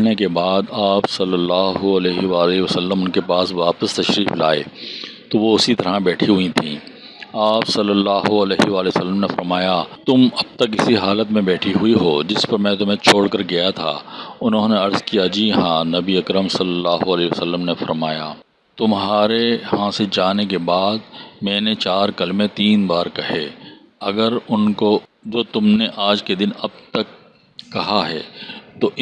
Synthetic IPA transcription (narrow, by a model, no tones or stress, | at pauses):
nekebaːd̪aːpsɐlːəlːaːɦoɐleːɦeʋaːleʋəsəlːəmʊnkepaːsʋaːpəst̪ɐʃɾiːfla̰ːḛːt̪oʋoʊsit̪ɐɾãbɛːʈʰiɦʊĩt̪ʰĩː | aːpsɐlːəlːaːɦoɐleːɦeʋaːlesəlːəmnefɐɾmaːjat̪ʊmɐb̚t̪ɐkɪsiɦaːlət̪mẽbɛːʈʰiɦʊiɦoːd͡ʒɪspɐɾmɛ̃t̪ʊm̤ẽt͡ʃʰoːɽkɐɾɡɐjat̪ʰa̰ːʊnɦõːneɐɾzkijad͡ʒiːɦãːnɐbiɐkɾəmsɐlːəlːaːɦoɐleːsəlːəmnefɐɾmaːja̰ | t̪ʊmɦaːɾeɦãːsed͡ʒaːnek̬ebaːd̪mɛ̃ːnet͡ʃaːɾkɐlmẽt̪iːnbaːɾkɐɦeː | ɐɡəɾʊnkod͡ʒoːt̪ʊmneʔaːd͡ʒked̪ɪnɐb̚t̪ɐkː | ɐɦaɦɛ̰ːt̪oʔ